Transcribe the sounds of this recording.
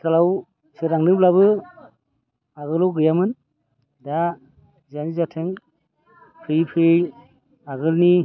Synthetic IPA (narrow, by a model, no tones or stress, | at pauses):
tʰalaw | seɾaŋnɯblabɯ | aɣɯlɔwɡɯjamɯn | da | zanizatʰeŋ | pʰɾijpʰɾɯj | aɡɯlni